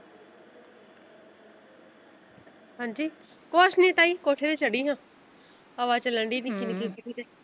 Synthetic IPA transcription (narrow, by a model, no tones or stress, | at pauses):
ɦãːɲd͡ʒiː | koːʃnĩːt̪aːiːkoːʈʰeːd̪eːt͡ʃəɽiːɦãː | əʋaːt͡ʃələɳɖiːd̪iːkɪnkĩːpəʈiːd̪ɛː